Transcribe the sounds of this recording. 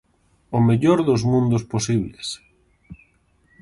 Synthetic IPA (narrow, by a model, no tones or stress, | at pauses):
ʊmeʎoɾðʊzmũnd̪ʊsposiβlḛs